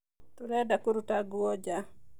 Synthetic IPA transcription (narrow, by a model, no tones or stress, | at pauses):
t̪uɾɛdakuɾutaɡuod͡ʒa